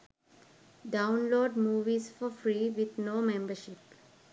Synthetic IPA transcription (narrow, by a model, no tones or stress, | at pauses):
ɖãʊ̃nloːɖmuːʋizfɔfɾiːʋɪd̪noːmẽmbəɾʃɪp